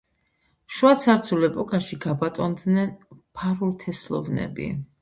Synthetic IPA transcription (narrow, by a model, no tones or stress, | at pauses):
ʃwat̪sʰaɾt̪sʰulɛpʼɔkʼaʃiɡabat̪ʼɔnd̪nɛnpʰaɾuɾt̪ʰɛslˠɔ̰vnɛ̰bḭ